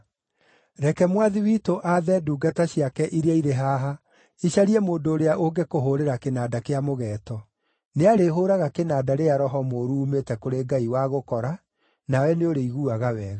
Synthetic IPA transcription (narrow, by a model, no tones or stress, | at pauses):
ɾɛkɛmwaðiwiːtoʔaðɛduːɡataɕiakɛʔiɾeaiɾeɦaːɦa | iɕaɾiɛmoːndoːɾeaʔoɡekoɦoɾeɾakenaːdakeamoɣɛːtɔ | neaɾeɦoːɾaɣakenaːdaɾeaɾɔɦɔmoːɾuːmetɛkoɾeɡaiwaɣokɔɾa | nawɛneoɾeiɣuaɣawɛːɣa